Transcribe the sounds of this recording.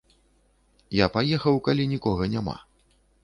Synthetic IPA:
japajɛxɐwkalʲinʲikɔɣɐnʲama̰

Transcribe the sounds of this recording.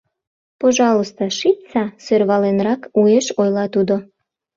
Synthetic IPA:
poʒɑlost̪ɑʃip̚t͡sɑsørβɑlenrɑkueʃojlɑt̪ud̪o

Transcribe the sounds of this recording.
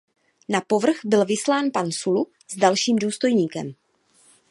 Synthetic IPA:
napo̞vr̩ɣbɪlvɪslaːnpansulu | zdalʃiːmduːst̪o̞jɲiːkɛ̰m

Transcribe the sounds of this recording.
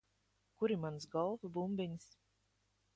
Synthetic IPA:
kuɾimansɡɔlˠvɨbumbʲiɲʲs

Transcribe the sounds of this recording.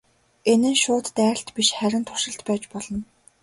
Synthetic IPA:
enɘ̆nʃʊːt̪ːæ̆ːɬt̪piʃχæɾʲɪ̆nt̪ʰʊ̥rʃɪ̆ɬt̪pæːt͡ɕpɔɮɞ̆n

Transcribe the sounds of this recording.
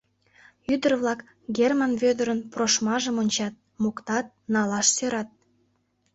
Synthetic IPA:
yd̪ərβlɑk | ɡʲermanβød̪əɾənproʃmɑʒəmonʲt͡ɕɑt̪̚mokt̪ɑt̪̚nɑlɑʃsøɾɑt̪̚

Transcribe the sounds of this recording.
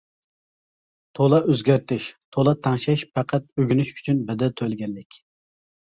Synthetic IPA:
t̪ʰolˠɑʔøzɡʲæɾt̪ɪʃt̪ʰolˠɑt̪ʰɑŋʃɛʃpʰæqʰæt̪̚øɡʲynyʃy̥t͡ʃʰynbɛd̪ɛt̪ʰølɡʲɛnːɪkʲ

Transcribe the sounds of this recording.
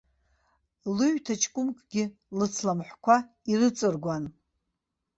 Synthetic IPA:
lɨɥtʰat͡ʃʰʼkʷʼʊmkʼɡ̥ʲɪ | lɨt͡sʰlamħʷkʷʰa | irɨt͡sʼɨrɡʷan

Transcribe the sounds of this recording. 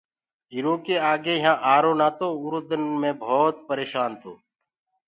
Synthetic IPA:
ɦiːɾoːkeːaːɡeːɦãːʔaːɾoːnaːt̪oːʊɾʊd̪ənmẽːbʱoːt̪̚pəɾeːʃaːnt̪ʰo̰ː

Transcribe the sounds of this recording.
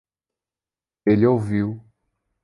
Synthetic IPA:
elɪowviw

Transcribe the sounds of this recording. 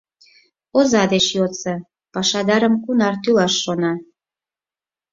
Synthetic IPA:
ozɑd̪et͡ɕjot͡sə | pɑʃɑd̪ɑɾəmkunɑrt̪ylɑʃːonɑ

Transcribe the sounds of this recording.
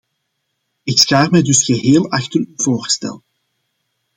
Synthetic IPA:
ɪksxaːrmɛjdɵsxəɦeːlˠɑxtəryvoːrstɛ̰lˠ

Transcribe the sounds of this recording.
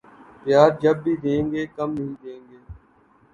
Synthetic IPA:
pjaːɾd͡ʒəbːiːd̪ẽːŋɡeːkəmiːd̪ẽːŋɡeː

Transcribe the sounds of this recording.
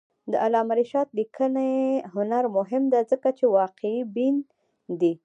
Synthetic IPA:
d̪əʔalɑmaɾiʃɑt̪likəneɦʊnaɾmʊɦɪmd̪azəkat͡ʃewɑqeibin | d̪i

